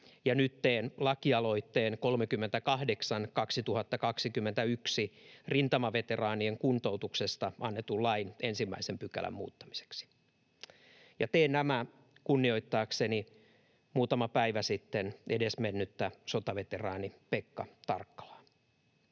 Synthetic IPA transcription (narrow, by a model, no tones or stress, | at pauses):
jɑnyt̪ːeːnlɑkiɑlo̞it̪ːeːnko̞lmekymːent̪ækɑhdeksɑnkɑksit̪uhɑt̪ːɑkɑksikymːent̪æyksirint̪ɑmɑʋet̪erɑːnieŋkunt̪out̪uksest̪ɑʔɑnːet̪ːullɑinʔensimːæ̰isempykæ̰læ̰mmṵːt̪ːɑ̥mi̥se̥ksi̥ | jɑt̪eːnnæmæ | kunːio̞it̪ːɑːkseni | muːt̪ɑmɑpæiʋæsit̪ːenʔedesmenːyt̪ːæsot̪ɑʋet̪erɑ̰ːnipekːɑt̪ɑ̰rkːɑ̥lɑ̥ː